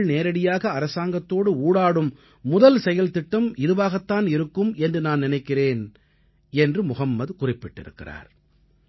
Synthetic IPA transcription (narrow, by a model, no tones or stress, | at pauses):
ɭneːɾɐɽɪjaːɣɐːɾɐsaːŋɡɐt̪ːoːɽɯuːɽaːɽɯmː | ʊðɐlsɛjɐlt̪ɪʈːɯmɪðɯʋaːɣɐt̪ːaːnɪɾɯkːɯmɛndrɯnaːnnɪnɐɪkːɪreːn | ɛndrɯmʊɣɐmːɐðkʊrɪpːɪʈːɪ̰ɾɯ̰kːɪ̰ra̰ːɾ